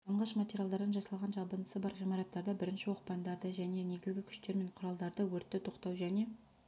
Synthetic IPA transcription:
ɑɴʁɑʃmatʲeɾʲjalˠd̪ɑɾd̪ɑnʒɑsɑlˠʁɑnʒɑbənəsəbɑɾʁijmɑɾɑt̪ːɑɾd̪ɑbɪɾɪnʃɪwo̞qpɑnd̪ɑɾd̪əʒæne̞ne̞ɡʲɪzɡʲɪkʲʰʏ̥ʃt̪e̞ɾme̞ɴqʰʊɾɑlˠd̪ɑɾd̪əwɵɾt̪ːɪt̪ʰo̞qt̪ɑwʒæne̞

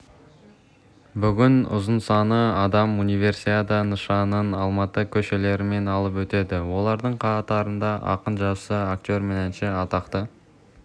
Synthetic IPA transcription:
bʏɡʲɪnʊ̰zənsɑnəɑd̪ɑmunijvʲe̞ɾsit̪et̪ənəʃɑnənɑlˠmɑt̪əkʲʰɵʃe̞le̞ɾɪme̞nɑlˠəpwɵt̪e̞d̪ɪwo̞lˠɑɾd̪əɴqʰɑt̪ɑɾənd̪ɑʔɑ̰qənʒɑsəakt̪ʲo̞ɾmenænʃeɑt̪ɑqt̪ə

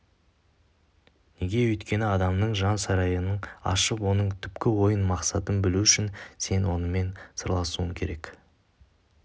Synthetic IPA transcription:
ne̞ɡʲe̞wɵjt̪kʲe̞nɪɑd̪ɑmnəɴʒɑnsɑɾɑjənəɴɑ̰ʃəpwo̞nəɴt̪ʰʏpkʲɪwo̞jənmɑqsɑt̪ənbɪluʏʃɪnse̞nwo̞nəme̞nsə̰ɾlˠɑsuəŋkʲʰe̞ɾe̞k

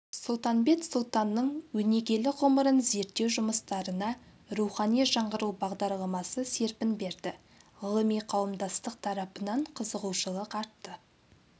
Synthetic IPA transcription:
sʊlˠt̪ɑnbe̞t̪sʊlˠt̪ɑnːəɴwɵne̞ɡʲe̞lɪʁʊməɾənze̞ɾt̪ːe̞wʒʊməst̪ɑɾənɑ | ɾuχɑnijʒɑɴʁəɾuwbɑʁd̪ɑɾlˠɑmɑsəse̞ɾpɪnbe̞ɾd̪ɪ | ʁʊlˠəmijqʰɑwəmd̪ɑst̪əq̚t̪ʰɑɾɑpənɑɴqʰəzəʁuwʃəlˠəqɑɾt̪ːə

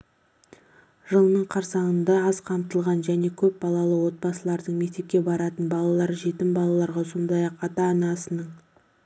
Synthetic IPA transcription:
ʒ̥əlˠənəɴqʰɑɾsɑɴənd̪ɑɑzqʰɑmt̪əlˠʁɑnʒæne̞kʲʰɵp̚bɑlˠɑlˠəwo̞t̪̚bɑsəlˠɑɾd̪əɴme̞k̚t̪e̞p̚kʲe̞bɑɾɑt̪ənbɑlˠɑlˠɑɾʒe̞t̪ɪmbɑlˠɑlˠɑɾʁɑso̞nd̪ɑjɑqɑt̪ɑːnɑsənəɴ

